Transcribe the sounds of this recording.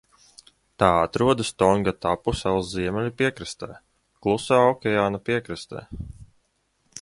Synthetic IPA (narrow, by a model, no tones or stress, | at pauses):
t̪aːat̪ɾuɔd̪ast̪ɔŋɡat̪apusɛlˠzziɛmɛlʲipiɛkɾɨst̪ɛ̰ː | klˠusaːɔkʲɛaːnapiɛkɾɨst̪ɛ̰ː